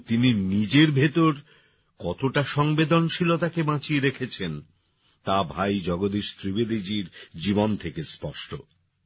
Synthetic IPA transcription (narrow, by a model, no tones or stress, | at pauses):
t̪ininid͡ʑeɾbʱet̪oɾ | kɔt̪oʈaʃɔŋbed̪onʃilot̪akebãt͡ɕieɾekʰet͡ɕʰen | t̪abʱajd͡ʑɔɡod̪iʃt̪ɾibed̪id͡ʑiɾd͡ʑibont̪ʰekespɔʃʈʰo